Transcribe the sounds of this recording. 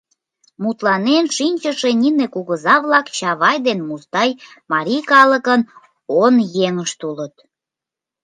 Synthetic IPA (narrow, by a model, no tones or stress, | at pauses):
mut̪lɑnenʃinʲt͡ɕəʃenʲinekuɣəzɑβlɑkt͡ɕɑβɑjd̪enmust̪ɑjmɑɾʲijkɑləkən | onjeŋəʃt̪ulət̪̚